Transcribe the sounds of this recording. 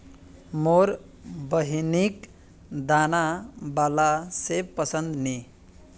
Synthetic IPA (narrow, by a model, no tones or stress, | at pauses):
moɾ | bəɦnik | d̪anabalasepəsənd̪ni